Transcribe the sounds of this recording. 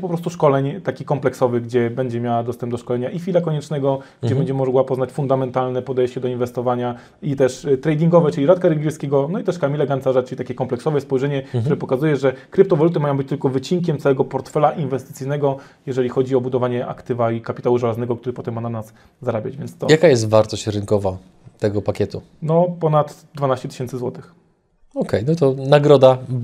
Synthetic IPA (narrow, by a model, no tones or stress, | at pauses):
pɔpɾɔst̪uʂkɔlɛɲt̪akʲikɔmplɛksɔvɘɡd͡ʑɛbɛɲd͡ʑɛmʲjawad̪ɔst̪ɛmb̚d̪ɔʂkɔlɛɲaʔifʲilakɔɲɛt͡ʂnɛɡɔɡd͡ʑɛbɛɲd͡ʑɛmɔɡwapɔznat͡ɕfund̪amɛnt̪alnɛpɔd̪ɛjɕt͡ɕɛd̪ɔinvɛst̪ɔvaɲa | it̪ɛʂt̪ɾɛjd̪ʲiŋɡɔvɛt͡ʂɘlʲiɾat̪kaɾɛɡʲɛskʲeɡɔnɔit̪ɛʂkamʲilɛɡansaʐat͡ʂɘlit̪akʲɛkɔmplɛksɔvɛspɔjʐɛɲɛkt̪uɾɛpɔkazujɛʐɛkɾɘp̚t̪ɔvalut̪̬ɘmajɔ̃bɘt͡ɕt̪ɘlkɔvɘt͡ɕiŋkʲɛmt̪sawɛɡɔpɔɾt̪fɛlaʔinvɛst̪ɘt̪sɘjnɛɡɔ | jɛʐɛlʲixɔd͡ʑiɔbud̪ɔvaɲɛʔa̰kt̪ɘvaikapʲit̪awuʐalaznɛɡɔkt̪uɾɘpɔt̪ɛmːananas | zaɾabʲad͡ʑvʲjɛnst̪ɔjakajɛst̪vaɾt̪ɔɕt͡ɕɾɘŋkɔva | t̪ɛɡɔpakʲɛt̪u | nɔpɔnad̪ | d̪vanaɕt͡ɕɛt̪ɘ̥ɕɛnsɘzwɔt̪ɘx | ɔkɛjnɔit̪ɔnaɡɾɔd̪a